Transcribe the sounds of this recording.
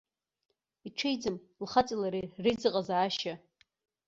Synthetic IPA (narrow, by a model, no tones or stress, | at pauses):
iʈ͡ʂʷʰejd͡zɨm | lχat͡sʼilaɾirɨjd͡zɨqʼazaːʃa